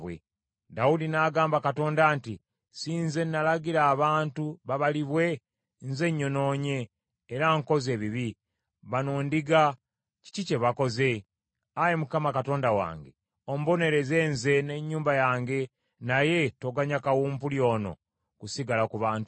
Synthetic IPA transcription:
βwḛ | dawudinaɡaːmbakato̞ːndaːnti | siːnze̞nːalaɡiɾaːβaːntuβaβaliβwe̞ | nze̞ɲːo̞no̞ːɲe̞ː | ɾaŋko̞ze̞ːβiβi | βanoːndiɡa | ci̥cice̞βako̞ze̞ | ajemukamakato̞ːndawa̰ːŋɡe̞̰ | o̞m̩bo̞ne̞ɾe̞ze̞ːnze̞ne̞ɲːuːmbajaːŋɡe̞ | naje̞toɡaɲakawuːmpuljo̞ːno̞̰ | kusiɡalakuβaːntu

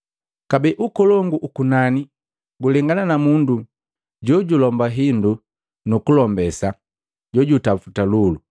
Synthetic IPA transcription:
kabɛʔukɔlɔŋɡuʔukunani | ɡulɛŋɡananamundu | ɟɔɟulɔmbaɦindu | nukulɔmbɛsa | ɟɔɟutafutalulu

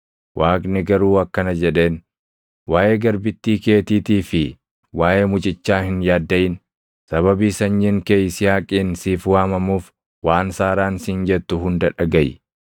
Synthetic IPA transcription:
wʔaːknɪɡɐɾuːɐkːɐnɐd͡ʒɛᶑe̞ːn | waːʔe̞ːɡɐɾbɪt̪ːiːke̞ːt̪iːt̪iːfɪ | waːjʔe̞ːmʊt͡ʃʼɪt͡ʃːaːhɪnjaːd̪ːɐjɪn | sɐβɐbiːsɐɲːɪŋkeːjsɪjaːkʼiːnsiːfʊwaːmɐmuːf | waːnsaːɾaːnsɪnd͡ʒɛt̪ːʊɦʊnd̪ɐᶑɐɡɐj

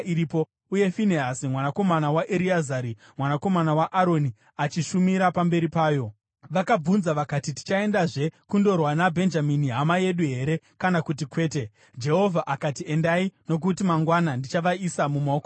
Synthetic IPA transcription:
iɾiːpo̞ | uje̞fineɦasimwanako̞manawaʔeɾiazaɾi | mwanako̞manawaʔaɾo̞ni | at͡ʃiʃumiɾapambe̞ɾipaːjo̞ | ʋakab͡vunzaʋakatiti̥t͡ʃae̞ndaʐe̞kundo̞rwanabʱe̞nd͡ʒaminiɦamaje̞ɗuɦe̞ɾe̞ | kanakut̬ikwe̞ːte̞ | d͡ʒe̞ɦo̞vʱaʔakatie̞ndaino̞k̬utimaŋɡwanandit͡ʃaʋaisamumaoko

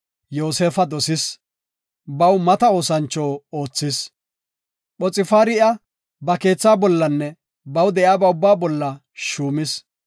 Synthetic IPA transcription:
joːse̞ːfɐd̪ɔsɪs | bɐwmɐt̪ɐo̞ːsɐnt͡ʃːoːoːt͡sːɪs | ɓɔt͡sʼɪfaːɾɪʔɐ | bɐke̞ːt͡sːaːbɔlːɐnːɛ | bɐwd̪ɛʔjaːbɐʊbːaːbɔlːɐ | ʃuːmɪs

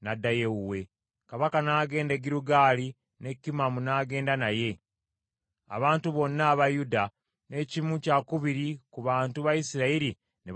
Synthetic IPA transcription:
nadajeuwe̞ | kaβakanaːɡe̞ːndeɡiɾuɡaːli | ne̞kːimamunaːɡe̞ːndanaje̞ | a̰βaːntuβo̞nːaːβajuda | ne̞ːcimucakuβiɾikuβaːntuβajisiɾaiɾi | ne

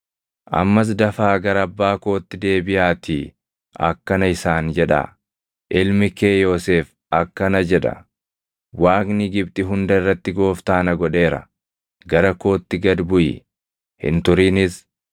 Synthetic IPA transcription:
ʔɐ̰mːɐs̬d̪ɐfaːɡɐɾɐɐbːaːko̞ːt̪ːɪd̪e̞ːbɪjaːt̪ʰiː | ʔɐ̰kːɐnɐɪsaːnd͡ʒɛᶑa̰ | ʔɪlmɪke̞ːjo̞ːse̞ːf | ɐkːɐnɐd͡ʒɛᶑɐ̰ | waːknɪɡɪbt̪ʼɪɦʊnd̪ɐɪrːɐt̪ːɪɡo̞ːft̪aːnɐɡɔᶑe̞ːɾɐ̰ | ɡɐɾɐko̞ːt̪ːɪɡɐd̪bʊjɪ̰ | hɪ̰nt̪ʊɾiːnɪs

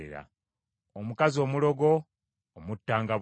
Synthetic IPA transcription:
ḛɾa̰ | omukazio̞ːmulo̞ɡoː | mutːaːŋɡaβ

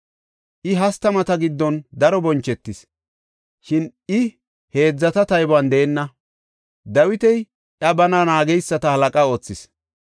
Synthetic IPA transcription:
ʔɪɦɐst̪ːɐmɐt̪ɐɡɪd̪ːɔnd̪ɐɾɔbɔnt͡ʃːɛt̪ːɪs | ʃɪn | ɪ | he̞ːd͡zːɐt̪ɐt̪ɐjbʊɐnd̪eːnːɐ | d̪ɐwɪt̪ɛj | ʔɐbɐnɐnaːɡɛjsːɐt̪ɐhɐlɐkʼɐo̞ːt͡sːɪs

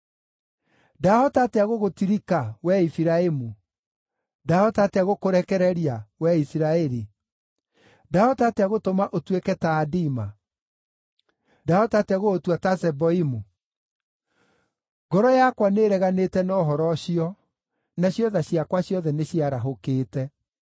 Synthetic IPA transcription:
dahɔtateaɣoɣotiɾikawɛifiɾaemu | dahɔtateaɣokoɾɛkɛɾɛɾiawɛisiɾaɛɾi | dahɔtateaɣotomaʔotwekɛtaːdima | dahɔtateaɣootwatasɛbɔimu | ɡɔɾɔjakwaneɾɛɣanetɛnɔɦɔɾɔɕiɔ | naɕjɔðaɕiakwaɕjɔðɛneɕiaɾaɦokeːtɛ

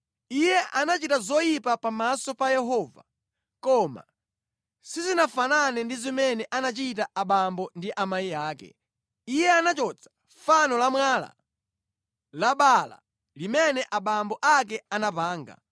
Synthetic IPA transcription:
ijɛʔanat͡ʃitazɔjipapamasɔpajɛɦɔva̰ | kɔma̰ | sizinafananɛndizimɛnɛʔanat͡ʃit̬aʔaɓambɔndiʔamaiaːkɛ̰ | ijɛanat͡ʃɔt͡sʰḁ | fanɔlamwala̰ | laɓala̰ | limɛnɛʔaɓambɔʔak̬ɛanap̬aːŋɡa̰

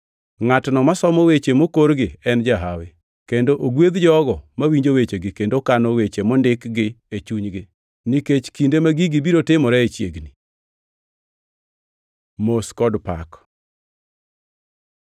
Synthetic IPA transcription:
ŋatnɔmasɔmɔwet͡ʃemokoɾɡɪɛnd͡ʒaɦawɪ | kendoʔoɡwed̪d͡ʒɔɡɔmawiɲd͡ʒowet͡ʃeɡɪkendokanɔwet͡ʃemɔndɪkɡɪet͡ʃuɲɡɪ | niket͡ʃkindemaɡiɡibiɾotɪmɔɾɛet͡ʃjeɡni | moskɔdpa̰k

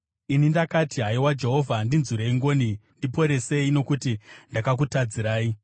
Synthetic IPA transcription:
inindakatiɦaiwad͡ʒe̞ɦo̞vʱandinzuɾeiŋɡo̞ːnindipo̞ɾe̞se̞ino̞kutindakak̬utad͡ziɾaːi

